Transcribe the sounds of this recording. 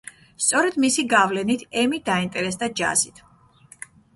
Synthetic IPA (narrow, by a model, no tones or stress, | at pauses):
st̪sʼɔɾɛd̪̥misiɡavlɛnit̪ʰɛmid̪aint̪ʼɛɾɛsd̪ad͡ʒa̰zit̪ʰ